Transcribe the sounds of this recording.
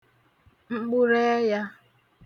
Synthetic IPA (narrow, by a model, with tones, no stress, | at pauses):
ŋ͡m̩˦ɡ͡bu˦ɾe˦ja˦